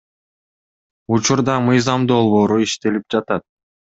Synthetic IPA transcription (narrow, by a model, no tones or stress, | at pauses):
ut͡ʃuɾd̪ɑmɯjzɑmd̪o̞lˠβo̞ːɾuiʃt̪e̞lip̚d͡ʒɑt̪ɑt̪̚